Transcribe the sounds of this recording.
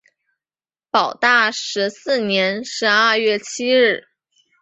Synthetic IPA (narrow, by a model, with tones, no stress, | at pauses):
pɑ˨˩ʊt̪a˥˩ʂɻ̩˧˥sɹ̩˥˩njɛ˧˥nʂɻ̩˧˥ɐ˥˧ɥɛ˥˩t͡ɕʰi˥ɻ̩˥˩